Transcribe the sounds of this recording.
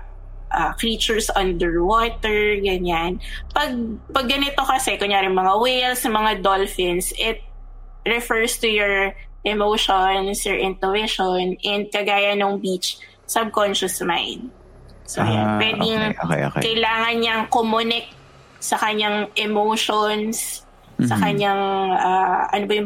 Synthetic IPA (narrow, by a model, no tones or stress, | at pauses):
ʔakɾiːt͡ʃʊɹsʔɐnd̪ɛɹwoːt̪ɛɹɡɐɲanpɐɡ̚pɐɡ̚ːɐnɪt̪okɐsɛkʊɲjaːɾɪŋmɐŋawejlsɐmɐŋad̪olfɪnsʔɪt̪̚ | ɹɛfɛɹst̪ujɔɹ | ʔɛmowʃonsɔɹʔɪ̃nt̪oveʃonʔɛnd̪̚kɐɡaːjɐnoŋbit͡ʃ | sɐb̚konʃɐsma̰jnd̪̚ | so̰apwɛd̪ɪŋ̰kɐjlaːŋɐnɲɐŋkomʊnɪk̚ | sɐkɐɲaŋʔɛmoʃonsː | ɐkɐɲaŋʔaːʔɐ̰nobɐjʊ